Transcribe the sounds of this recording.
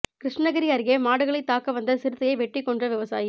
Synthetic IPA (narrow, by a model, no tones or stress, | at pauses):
kɾɪʂnɐɣɐɾɪjaːɾɣemaːɽɯɣɐɭɐɪt̪ːaːkɐʋɐnd̪ɐsɪɾɯt̪ːɐjɐɪʋɛʈːrɪkːɔɳdrɐʋɪʋɐsa̰ːji